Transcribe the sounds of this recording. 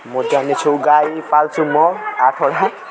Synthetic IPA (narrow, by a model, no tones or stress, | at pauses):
mɔtanɛt͡ʃʰowɡajpalsumɔatʰɔɽa